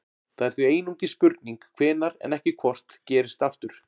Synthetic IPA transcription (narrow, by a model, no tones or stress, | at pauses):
θaðɛɾ̥θieːjnuŋcɪspʏɾt̪niŋkkʰvɛːnaɾɛ̰nɛhcɪkʰvɔr̥t̪cɛːɾɪ̥st̪aft̪ʏɾ̥